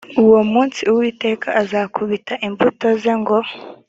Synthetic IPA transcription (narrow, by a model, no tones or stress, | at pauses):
uwo̞muːnsiuwiːte̞ːkʰaʔazakʰuβitaʔiɱvuto̞zeŋɡo